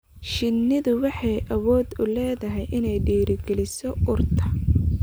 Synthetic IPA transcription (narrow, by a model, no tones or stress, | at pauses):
ʃɪnːɪðʊwɑħɑjʔɐwɔːd̪ʊlɛːðɐɦɛjʔɪnɛjɖiːɾɪɡɛlɪsɔʔʊrt̪ʰɐ